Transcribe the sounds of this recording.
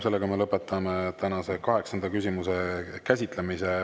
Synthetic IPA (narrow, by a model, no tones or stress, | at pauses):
se̞lːeɡɑmelɤpːˑe̞t̪ːˑɑmet̪ænɑse̞kɑɦe̞ksɑnd̪̥ɑkysʲimuse̞kæsʲit̪ˑle̞mise